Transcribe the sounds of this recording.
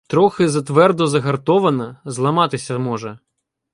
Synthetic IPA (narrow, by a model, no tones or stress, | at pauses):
t̪ɾɔxɪzɐt̪ʋɛrd̪ɔzɐɦɐrt̪ɔʋɐnɐzlˠɐmɑt̪ɪsʲɐmɔʒɛ